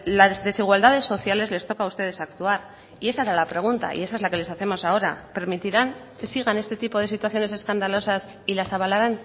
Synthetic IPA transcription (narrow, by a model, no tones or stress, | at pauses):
lazðe̞siɣ̞wald̪aðe̞sːo̞θjale̞zle̞st̪okaust̪e̞ð̞e̞sakt̪uaɾ | ie̞saeɾalapɾe̞ɣ̞unt̪a̰ḭe̞s̬aezlake̞le̞saθe̞mo̞sao̞ɾa̰pe̞ɾmit̪iɾaŋke̞siɣ̞ane̞st̪e̞t̪ipo̞ð̞e̞sit̪waθjo̞ne̞s̬e̞skand̪alo̞sas | ilasaβ̞alaɾan